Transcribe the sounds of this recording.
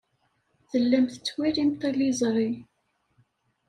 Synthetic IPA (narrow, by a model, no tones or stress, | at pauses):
θəlːæmθə̥t͡sːwiɾimt̪ælizˤɾˤi